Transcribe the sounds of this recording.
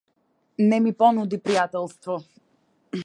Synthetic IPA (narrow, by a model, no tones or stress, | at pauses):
nɛmipɔnud̪ipɾijat̪ɛlˠst̪vɔ